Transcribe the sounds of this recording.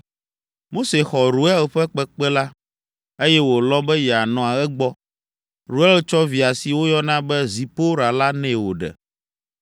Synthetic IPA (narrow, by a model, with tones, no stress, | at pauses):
mo˦se˨xɔ˨ɾu˨ɛ˦lɸɛ˦k͡pɛ˦k͡pɛ˦la˦ | e˦jɛ˦wo˨lɔ˦bɛ˦jɛ˨a˨nɔ̃˨a˨ɛ˦ɡ͡bɔ˦ | ɾu˨ɛ˦lt͡ʃɔ˦vi˨a˨si˨wo˦jɔ˦nã˦bɛ˦zi˨po˦ɾa˨la˦nɛ̃˦wo˨ɖɛ̰˨